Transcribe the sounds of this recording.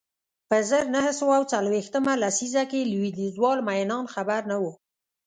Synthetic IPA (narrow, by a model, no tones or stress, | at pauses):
pəzəɾnahəsawaawt͡salwext̪əmalasizakelwid̪izwɑlmajnɑnxabaɾnawu